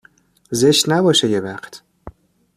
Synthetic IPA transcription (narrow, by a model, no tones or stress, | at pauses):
zeʃt̪næbɒːʃejevæχt̪ʰ